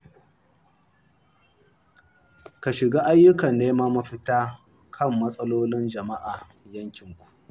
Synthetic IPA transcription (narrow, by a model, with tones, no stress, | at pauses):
ka˨ʃɪ˨ɡaː˦ʔa˦jːʊ˦kɐ˨nːeː˦ma˦mɐ˦ɸɪ˦taː˦ | kʰɐ˦˨mːɐ˦sʼɐ˦loː˦lɪ˦nd͡ʒɐ˨ma˦ʔaː˨ | jɐ˦ŋkʲɪ˨ŋkʷu̥˨ʔ